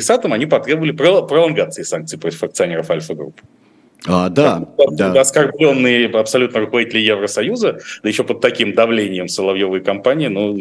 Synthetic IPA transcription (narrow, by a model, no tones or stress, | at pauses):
ɪsat̪əmɐnʲipɐt̪ɾʲe̞bəvəlʲɪpɾəpɾəlˠɐnɡat̪sɨɪsank̚tsɨipɾotʲɪ̥fɐk̚t̪sɨɐnʲeɾəfalʲfəɡɾṵpː | ad̪a | ɐskɐrblʲo̞nːɨjəɐpsɐlʲut̪nəɾʊkəvɐdʲitʲɪlʲəjevɾəsɐjuzəd̪əjɪɕːopət̪ːɐkʲimd̪ɐvlʲenʲɪjəmsəlˠɐvjovɨjəkɐmpanʲɪɪnu